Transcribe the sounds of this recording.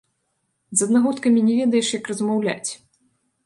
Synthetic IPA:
zɐd̪naɣut̪kɐmʲinʲɛvʲɛd̪ɐjɛʂjɐkrɐzmawlʲa̰t͡sʲ

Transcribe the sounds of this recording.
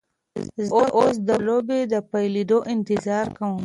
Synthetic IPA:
zoʔos̬d̪əlobed̪əpajlid̪oʔɪnt̪ɪzɑɾkawũ

